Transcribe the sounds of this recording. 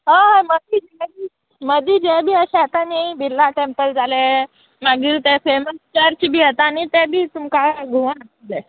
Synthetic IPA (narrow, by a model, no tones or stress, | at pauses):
ɦəməd̪id͡ʑɛbi | məd̪iːd͡ʑɛbʱiːəɕɛɦat̪aneibʱilːaʈempəld͡zale | maɡiːt̪efeməst͡ɕaɾt͡ɕibʱiːɦet̪aːñit̪ɛbʱiːt̪umkaɡʱuʋənak̪̚ile